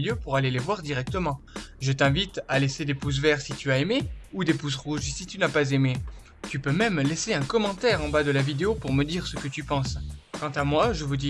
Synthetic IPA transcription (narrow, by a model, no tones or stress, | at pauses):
ljøpuʁalelevwaʁd̪iʁɛk̚t̪əmɑ̃ʒət̪ɛ̃vit̪alesed̪epus̬vɛʁsit̪yaemeud̪epusʁuʒsit̪ynapazeme | t̪ypømɛmlɛseɛ̃kɔmɑ̃t̪ɛʁɑ̃bad̪əlavid̪eopuʁməd̪iʁsəkət̪ypɑ̃skɑ̃t̪amwaʒəvud̪i